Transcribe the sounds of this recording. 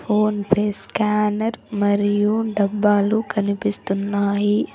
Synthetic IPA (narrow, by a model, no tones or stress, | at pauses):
pʰoːnpʰeːskaːnɐɾmɐɾijuɖɐbːaːlukɐnipist̪unːaːji